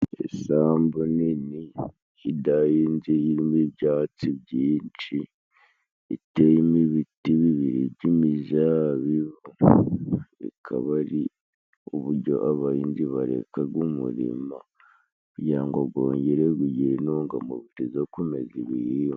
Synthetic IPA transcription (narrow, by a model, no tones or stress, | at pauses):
ḛsaːmbunini | idajiːnzijiɾimiβɟaːt͡siβɟiːnt͡ʃi | itejimiβitiβiβiɾiɟimizaβiβu | ḭkʰa̰βaɾi | uβuɾɟo̞̰ʔaβaiːnziβaɾḛkaɡumṵɾḭma | jaːŋɡoɡoːɲɟeɾeɡuɟiɾenoːŋɡa̰moβitizokumeziβiji